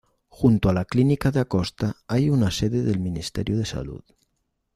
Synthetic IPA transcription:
xunt̪oalaklinikaðeakɔst̪aajunaseðeðelminist̪ɛ̰ɾjuðesa̰lṵt̪

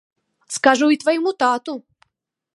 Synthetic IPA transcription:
skaʐuit̪vɐjɪmut̪at̪ʊ

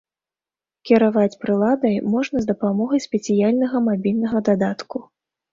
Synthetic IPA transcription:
kʲiɾavat͡sʲpɾɨlˠad̪ɐjmɔʐnɐzd̪ɐpamɔɣɐjsʲpʲɛt̪sʲijalʲnɐɣɐmabʲilʲnɐɣɐd̪ad̪at̪ku

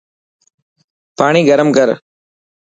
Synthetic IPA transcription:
paːɳ̃iːɡɐɾəmkɐɾ

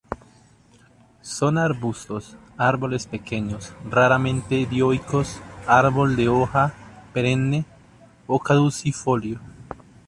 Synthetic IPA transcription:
sonaɾβust̪os | aɾβolespekeɲosraɾamẽnt̪eðjojkosaɾβold̪eoxapeɾenːe | okaðusifoljo

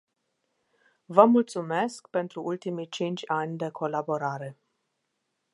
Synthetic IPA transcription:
vəmult̪sume̞skpe̞nt̪ɾuʔult̪imit͡ʃint͡ʃʲanʲd̪e̞kʰo̞labo̞ɾaɾe̞

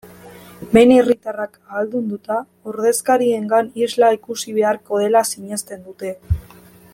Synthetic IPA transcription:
be̞nerit̪arakaːld̪und̪ut̪a | oɾð̞e̞skaɾie̞ŋɡanizlaikusiβ̞e̞aɾko̞ð̞e̞lasiɲe̞st̪e̞nd̪ut̪e̞

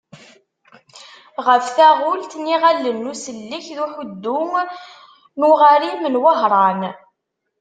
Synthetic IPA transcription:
ʁəfθæʁʊlt̪niʁalːənːusəlːiçðuħʊd̪ːʊŋ | nʊʁaɾimənwəɦɾˤɑn

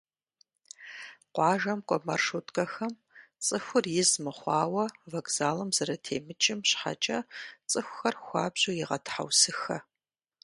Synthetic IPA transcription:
qʷɑːʒɐmkʷʼɔmɐ̰rʂutʼkʼɐxɐm | t͡sʼɨxʷʊrjɪzmɨχʷɑːwɐvɐkz̥aːlɐmzɐɾɐtʰeːmɨt͡ʃʼɪmɕħa̰t͡ʃʼɐt͡sʼɨxʷʊxɐrxʷɑːbʑujɪʁɐ̰tʰħa̰wsɨxɐ

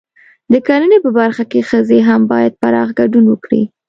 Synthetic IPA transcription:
d̪əkalənepəbaɾxakexəzeɦambɑjad̪̚paɾɑɣɡaɖunwəkɽḭ

